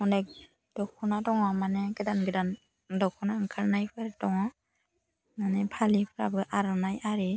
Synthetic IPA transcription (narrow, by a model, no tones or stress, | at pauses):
mɔnek̚ | d̥ɔkʰunatɔŋɔmaneɡɯdanɡɯdan | dɔkʰunaɯŋkʰaɾnajpʰɯɾtɔŋɔ | nanepʰalipʰɯɾa̰bɯʔaɾɔnajaɾi